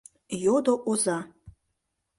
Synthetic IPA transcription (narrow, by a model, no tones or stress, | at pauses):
jod̪oʔɔza